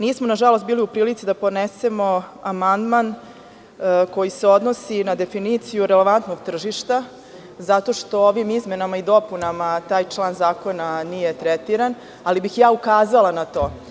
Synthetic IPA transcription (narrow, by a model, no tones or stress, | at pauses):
niːsmonaʒalost̪biːliupɾiːlit̪sid̪apod̪nese̞mo̞amand̪man | ko̞jise̞o̞d̪no̞sinad̪e̞finit̪sijuɾele̞ʋant̪no̞ɡt̪r̩ʒiʃt̪a | zat̪o̞ːʃt̪o̞oʋimizme̞namaid̪o̞punamat̪aːjt͡ʃlˠaːnzaːko̞nanije̞t̪ɾet̪iɾan | alibixjaːukaːzalˠanat̪o̞ː